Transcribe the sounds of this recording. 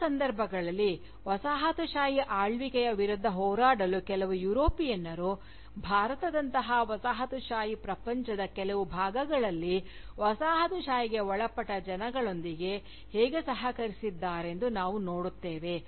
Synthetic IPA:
sɐnd̪ɐɾbʱɐɡɐɭɐlːi | ʋɐsaːɦɐt̪uʃaːjiʔaːɭʋikɛjɐʋiɾud̪ʱːɐɦɔːɾaːɽɐlukɛlɐʋujuːɾoːpijɐnːɐɾu | bʱaːɾɐt̪ɐd̪ɐnt̪ɐɦɐʋɐsaːɦɐt̪uʃaːjipɾɐpɐɲt͡ʃɐd̪ɐkɛlɐʋubʱaːɡɐɡɐɭɐlːi | ʋɐsaːɦɐt̪uʃaːjiɡe̞ɔɭɐpːɐʈːɐd͡ʒɐnɐɡɐɭo̞nd̪iɡe̞ | heːɡesɐɦɐkɐɾisid̪ːaːɾe̞nd̪unaːʋuno̞ːɽut̪ːeːʋe̞

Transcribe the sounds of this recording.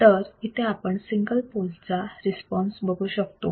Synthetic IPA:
t̪əɾit̪ʰeapəɳsiŋɡəlpolt͡saɾispɔnsbəɡʱuːɕəkt̪o̰

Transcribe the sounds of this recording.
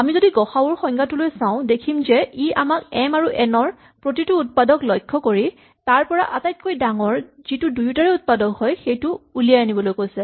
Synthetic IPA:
amizodiɡɔxabɔɹxɔŋɡatulojsaʊ̃dekʰimzɛiʔamakɛmaɹuʔɛnɔɹ | pɹotituːt̚padɔklɔjkʰːɔkoɹi | taɹpɔɹa̰ʔatajt̚kojdaŋɔɹz̥itʊdujutaɹɛut̚padɔkɦɔjxejtʊːliaanibɔlojkojsɛ

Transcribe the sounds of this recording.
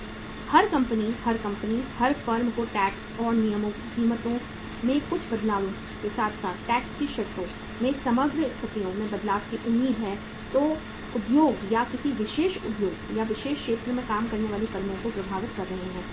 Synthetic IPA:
hɐɾkɐ̃mpənihɐɾkɐ̃mpənihɐɾfɐɾmkoʈɛːksɔːɾnijəmõ | kiːmət̪õ | mẽkʊt͡ʃʰbɐd̪laːʋõ | kesaːt̪ʰsaːt̪ʰʈɛːkskiʃɐɾt̪õ | mẽsɐməɡɾɪst̪ʰət̪ijõmẽbɐd̪laːʋkeʔʊmːiːd̪ɦɛː | t̪oː | ʊpjoːɡjakɪsiʋɪʃeːʃʊpjoːɡjaʋɪʃeːʃʃeːt̪ɾəmẽkaːmkɐɾneʋaːlikɐɾmõkopɾɐbʱaːʋɪt̪̚kɐɾːɐɦeɦɛ̃ː

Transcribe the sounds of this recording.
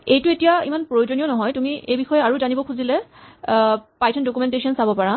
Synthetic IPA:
ejtuetijaḭmanpɹojozonijɔnɔɦɔjtumiʔejbixɔjɛaɹuzanibɔkʰuzilɛ | pajtʰɔndokumɛntesiɔnsabɔpaɹa

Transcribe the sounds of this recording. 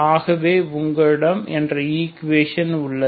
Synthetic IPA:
aːɣɐʋeːʊŋɡɐɻɪɽɐmɛndrɐiːkʋeːʂɐnʊɭːɐ

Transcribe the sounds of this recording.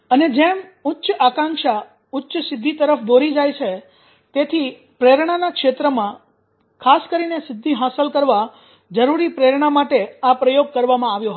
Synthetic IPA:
əned͡ʒemʊtːʃakãŋkʃa | ʊtːʃəsɪd̪ʱːit̪əɾəfd̪oɾid͡ʒajt͡ʃʰe | t̪et̪ʰi | pɾeɾɳ̃anakʃet̪ɾəmã | kʰaskəɾinesɪd̪ʱːiɦasəlkəɾʋa | d͡ʒəɾuɾipɾeɾɳ̃amaʈeapɾəjoɡ̚kəɾʋamãaʋjõɦ

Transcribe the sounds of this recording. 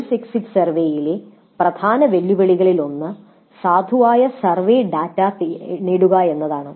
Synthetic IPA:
siksiksɐrʋeːjile | prɐd̪ʱaːnɐʋe̞lːiʋɐɭiɣɐɭilo̞nːɨ | saːd̪ʱuʋaːjɐsɐrʋeːɖaːtːaːt̪iniːɽuɣɐe̞nːɐðaːɳɨ

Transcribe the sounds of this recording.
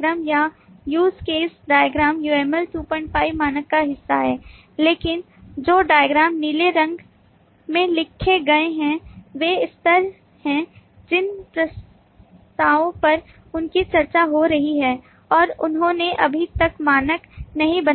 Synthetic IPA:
ɡɾaːmja | juːskeːsɖaːjəɡɾaːmjuːɛːmɛlʈuːpɔ̃ɪ̃ɳʈ̚fʰaːɪʋmaːnəkːaɦɪsːaɦɛː | leːkɪn | d͡ʒoːɖaːjəɡɾaːmniːleɾɐ̃ŋɡ | mẽlɪkʰːeɡɐeɦɛ̃ʋeɪst̪əɾ | hɛ̃ | d͡ʒɪnpɾɐs | t̪aːõpɐɾ | ʊnkit͡ʃɐɾt͡ʃaɦoɾɐɦiɦɛː | ɔːɾʊnɦõneʔɐbʱit̪ɐkmaːnəknɐɦĩbɐn

